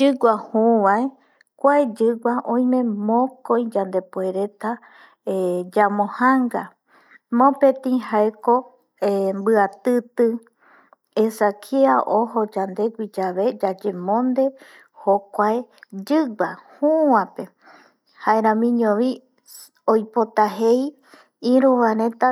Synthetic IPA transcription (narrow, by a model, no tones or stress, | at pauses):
d͡ʒɨɡʷahuʋae | kʷaed͡ʒɨɡʷaʔõj̃mẽ̞mõkõj̃d͡ʒand̪e̞poe̞ɾe̞t̪a | ed͡ʒamõhaŋɡa | mõpẽt̪ĩɦaeko | embɨat̪ɨt̪ɨ | esakʰiaʔoɦod͡ʒand̪e̞ɡʷid͡ʒaβe̞d͡ʒad͡ʒemõnd̪e̞ | hokʷaed͡ʒɨbahuãpe̞ | haeɾãmĩɲõʋi | ojpot̪aɦej | ĩɾuʋãɾẽt̪a